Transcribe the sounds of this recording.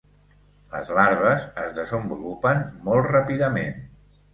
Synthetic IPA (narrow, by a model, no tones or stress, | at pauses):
lə̰zlaɾβəzəzðəzəmbulupənmɔlˠtrapiðəmḛn